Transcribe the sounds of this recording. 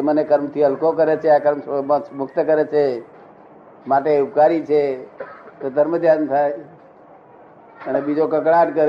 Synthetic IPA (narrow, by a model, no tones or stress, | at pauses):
emənekəɾmt̪ʰiəlkokəɾet͡ʃʰeakəɾmmʊkʰt̪əkəɾet͡ʃʰe | mat̪eʊp̚kaɾit͡ʃʰe | t̪od̪əɾməd̪jant̪ʰae | ənebid͡ʒokəkɽaʈ̪kəɾ